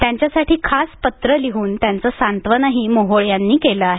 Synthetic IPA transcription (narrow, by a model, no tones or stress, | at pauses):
t̪jaɲt͡ɕjasaʈʰiːkʰaspət̪ɾəliɦuːnt̪jant͡səːsant̪ʋənaɦimoɦoɭjanːiːkeləaɦe